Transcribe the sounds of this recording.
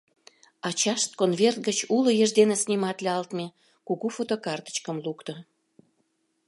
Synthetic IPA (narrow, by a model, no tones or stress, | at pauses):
ɑt͡ɕɑʃt̪̚konvert̪̚ɡət͡ɕulojəʒd̪enesnimɑt̪leɑlt̪me | kuɣufot̪okɑrt̪ə̥t͡ɕkəmlukt̪o